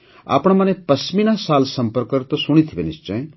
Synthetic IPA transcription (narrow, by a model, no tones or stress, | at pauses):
a̰ːpɽ̃mɐnepɐsminasaːlsɐmpəɾkəɾt̪osuɽ̃it̪ʰibḛnist͡ʃə̃j